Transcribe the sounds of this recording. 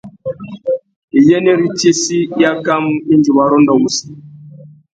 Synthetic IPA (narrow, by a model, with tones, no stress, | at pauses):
i˨jɛ˦nɛ˦ɾi˦te˦si˦ja˦ka˦m̩˦i˦nd͡ʒi˨wa˨˦ɾɔ˦ndɔ˨wu˨si̥˨